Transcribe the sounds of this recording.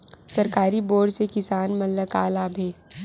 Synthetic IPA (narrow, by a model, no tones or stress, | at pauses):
sɐɾkaːɾiboːɖsekɪsaːnmɐlːəkaːlaːbʱeː